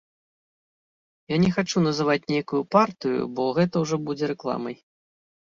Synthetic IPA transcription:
janʲɛxat͡ʂun̪ɐzɨvat͡sʲnʲejkujupart̪ɨjṵbɔɣɛt̪ɐwʐɔbud͡zʲɛɾɛklˠa̰mɐj

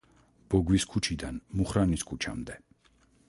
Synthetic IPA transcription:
b̥ɔɡwiskʰut͡ʃʰid̪anmuχɾaniskʰut͡ʃʰa̰md̪ɛ

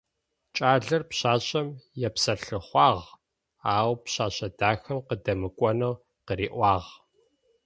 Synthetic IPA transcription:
t͡ʃʼaːɮɨrpɕaːɕʼɐmjɛpsɐɬɨχʷɑːʁ | aːwpɕaːɕʼɐdaːxɐmqədɐmɨkʷʼɔnɐw | qəɾiːʔʷɑːʁ

